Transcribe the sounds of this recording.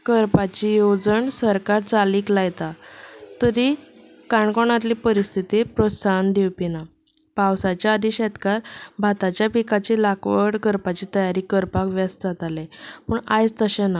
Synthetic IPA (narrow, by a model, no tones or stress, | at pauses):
kəɾpat͡ɕijod͡zəɳsəɾkaɾt͡saliːklaɡt̪at̪əɾi | kaɳkoɳ̃at̪̬lipəɾist̪ʰit̪ipɾosand̪iwpina | pawsat͡ɕjaəd̪ʱiɕet̪kaɾbʱat̪at͡ɕjapikat͡ɕilakʋəɽkəɾpat͡ɕiːt̪əjaɾiːkəɾpakʋjast̪d͡zat̪alɛpəɳajt͡st̪əɕena